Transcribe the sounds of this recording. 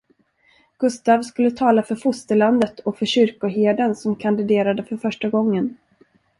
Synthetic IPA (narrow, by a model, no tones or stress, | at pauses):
ɡ̥ɵst̪aːvskɵlːət̪ʰɑːlafœɾfʊst̪əɭand̪ət̪ʰɔfœɕʏɾkʊɦeːd̪ənsɔmkʰand̪ɪd̪eːɾad̪əfœɾfœʂʈaɡɔŋːən